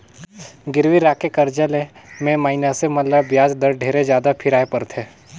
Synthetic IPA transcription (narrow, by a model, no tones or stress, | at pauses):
ɡɪɾʋiɾaːkekɐɾd͡ʒəlẽmẽmaːɪnəsemɐləbjaːd͡ʒd̪əɾɖʱeːɾed͡ʒjaːd̪apʰɪɾaːepɐɾt̪ʰẽː